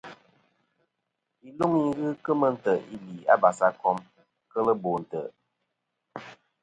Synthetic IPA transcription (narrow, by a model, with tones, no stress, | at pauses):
i˨lu˦mi˦ɣɨ˦kə˦mə˦n̩˦tə˨ʔi˦li˨a̰˦ba˨sa˦kɔ˦m | kə˦lə˦bo˨n̩˨tə̰˨